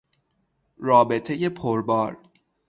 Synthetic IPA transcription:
ɾɒːbe̞t̪ʰeje̞pʰoɾbɒːɾ

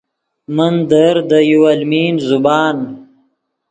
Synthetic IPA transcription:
mand̪əɾd̪əjuwalmiːnzubɑːn

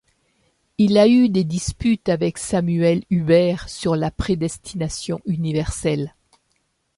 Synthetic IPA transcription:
ilayd̪ed̪ispyt̪avɛksamyɛlybɛʁsyʁlapχed̪ɛst̪ʰinasjɔ̃ʔynivɛʁsɛl

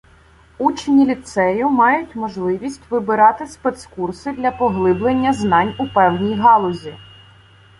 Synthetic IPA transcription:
ut͡ʃnʲilʲit̪sɛjʊmɑjʊtʲmɔʒlˠɪʋʲisʲtʲʋɪbɪɾɑt̪ɪspɛt̪skursɪd̪lʲɐpɔɦlˠɪblˠenʲːɐznɑnʲʊpɛwnʲijɦɑlˠɔzʲi

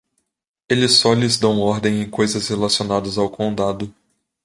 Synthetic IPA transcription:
elɪsːɔlɪzd̪ɐ̃w̃ɔɾd̪ẽj̃ẽj̃kojzɐshelasionad̪ɐzawkõnd̪ad̪ʊ

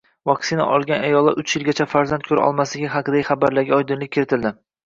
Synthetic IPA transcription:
vɒksɪna̰ʔɒlˠɡʲanajɒlˠːa̰ʔʊt͡ʃjɪlɡʲat͡ʃʰafaɾzant̪̚kʰɵɾa̰ɒ̰lˠmaslɪɡʲɪɦaqɨd̪aχabaɾlaɾɡʲaɒjd̪ɪnlɪk̚ʲʰːɪɾɪt̪ʰɪld̪ɪ

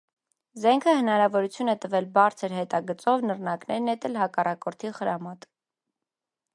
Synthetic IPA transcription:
zɛŋkʰəhənɑɾɑvɔɾut͡sʰjunɛt̪əvɛlbɑɾt͡sʰəɾhɛt̪ɑɡət͡sɔvnərnɑknɛɾnɛt̪ɛlɦɑkɑrɑkɔɾt̪ʰiχəɾɑmɑt̪

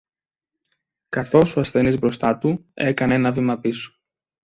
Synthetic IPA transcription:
kɐθo̞soɐsθe̞nizbɾo̞st̪ɐt̪ue̞kɐne̞nɐvimɐpiso̥

